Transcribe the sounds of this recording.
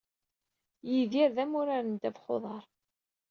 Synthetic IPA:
jiðiɾðæmʊɾaɾənd̪ævχo̰ðˤɑɾˤ

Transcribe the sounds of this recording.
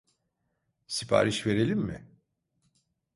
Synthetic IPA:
sipʰa̰ːɾiʃve̞ɾe̞lʲimmːɪ̰

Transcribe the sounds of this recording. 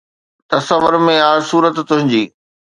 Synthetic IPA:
t̪ɐsɐʋʊɾmẽaːsuːɾət̪ːʊ̃ɦɪ̃ɲd͡ʑiː

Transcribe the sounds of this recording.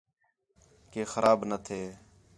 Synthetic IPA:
keːxəɾaːbnət̪ʰeː

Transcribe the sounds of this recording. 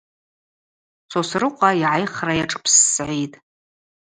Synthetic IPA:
t͡sʰosrɨqʷʼaiʕajχrajaʈ͡ʂʼɨ̥pʰsːʕitʼ

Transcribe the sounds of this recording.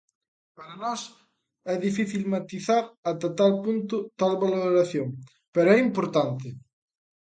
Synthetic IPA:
paɾanɔs | ɛðifiθilmat̪iθaɾat̪at̪alpunt̪ʊt̪alβaloɾaθjoŋ | pɛɾoɛimpoɾt̪ant̪ɪ

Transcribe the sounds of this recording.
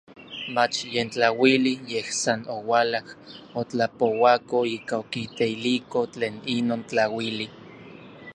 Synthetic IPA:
mat͡ʃjent͡ɬawilijehsanowalahot͡ɬapowakoiːkaokit̪eilikot͡ɬeːninoːnt͡ɬawili

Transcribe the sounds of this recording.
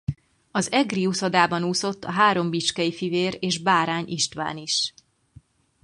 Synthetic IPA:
ɒzɛɡriusod̪aːbɒnuːso̞t̪ːɒɦaːɾo̞mbit͡ʃkɛjifiveːɾeːʒbaːɾaːɲʔiʃt̪ʋa̰ːniʃ

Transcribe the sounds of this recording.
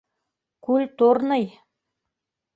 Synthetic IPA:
kʉlt̪oɾnɤj

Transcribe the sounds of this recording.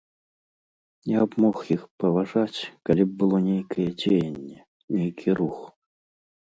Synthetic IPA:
jabmɔxjixpɐvaʐat͡sʲkalʲib̚bɨlˠɔnʲejkʰɐjɛd͡zʲeejenʲːɛ | nʲejkʲʰirux

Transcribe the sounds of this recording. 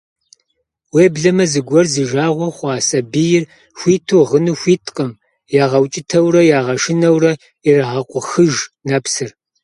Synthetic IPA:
weːbɮɐmɐzɨɡʷɔrzɨʒaːʁʷɔχʷɑːsʼɐbijɪr | xʷiːtʰoʁənɨxʷiːtʰqʼəm | jaːʁɐwt͡ʃʼɪtʰɐwrɐjaːʁɐʃɪnɐwrɐ | irɐʁɐqʷʼʊxɨʒnɐpsɨr

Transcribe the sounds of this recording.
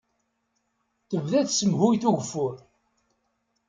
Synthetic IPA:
θəvðæðsəmhʊjiθuʝəfːʊɾ

